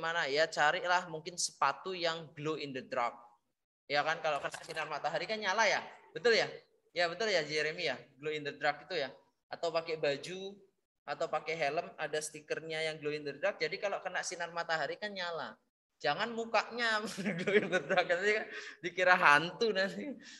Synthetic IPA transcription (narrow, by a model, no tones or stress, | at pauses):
manajat͡ʃaɾɪʔlahmuŋkɪnsə̥pat̪ujaŋɡloindədɾak̚ | jakankalokənaʔsinarmat̪aɦaɾikanɲalajabət̪ʊlja | jabət̪ʊljad͡ʒeɾemijaɡloindəd̪ɾakit̪uja | ʔat̪awpakebad͡ʒu | at̪awpakeɦeləmadasə̥t̪ikərɲajaŋɡloindərd̪ɾak̚d͡ʒadikaloʔkənaʔsinarmat̪aɦaɾikanɲala̰ | d͡ʒaŋanmukaʔɲaɡloindəd̪ɾak̚ant̪ikandikiɾaɦant̪unant̪i